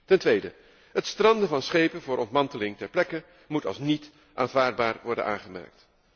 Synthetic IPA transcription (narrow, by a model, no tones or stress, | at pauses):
tɛntʋejdə̰ | ɦətstrɑndəvɑnsχejpənvʊːɾʔɔntmɑntəlɪŋtɛɹplɛkə | mutɑ̰lˠsnit | ʔa̰ːnvaːɹd̚baːɹʋɔɹdə̰ʔa̰ːχəmɛ̰ɹk̚t